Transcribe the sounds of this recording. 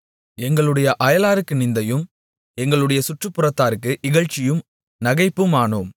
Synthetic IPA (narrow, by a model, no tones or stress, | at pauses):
ɛŋɡɐɭɯɽɐjɐʔɐjɐlaːɾɯkːɯnɪnd̪ɐjɯm | ɛŋɡɐɭɯɽɐjɐsʊʈrɯpːɯɾɐt̪ːaːɾɯkːɯʔɪɣɐɻt͡ʃːɪjɯm | nɐɣɐɪpːɯmaːɳoːm